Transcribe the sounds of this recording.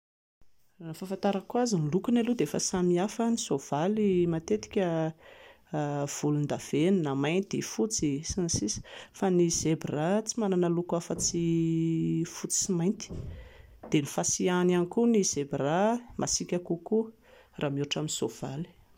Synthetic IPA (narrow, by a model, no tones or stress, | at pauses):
anfafant̪aɾakuazinlukunalud̪eefəsamiafənisov̥alimat̪et̪i̥kʲə | v̥ulund̪av̥ennamajnt̪efut͡sisansisi̥faniz̥ebrat͡simananəlukafət͡si | fut͡si̥simajnt̪i̥ | d̪̥enifasiananikuniz̥ebramʔasikʲakuku | raːmuʈ͡ʂaminisov̥a̰li̥